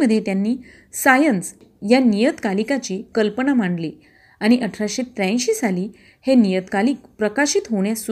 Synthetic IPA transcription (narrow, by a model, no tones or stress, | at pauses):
əd̪ʱːjet̪janːiː | sajəns | janijət̪kalikat͡ɕiːkəlpənamaɳɖli | aɽ̃iʔəʈʰɾaɕet̪ɾə̃ɕiːsaliː | henijət̪kaliːkpɾəkaɕiːt̪ɦoɳjasu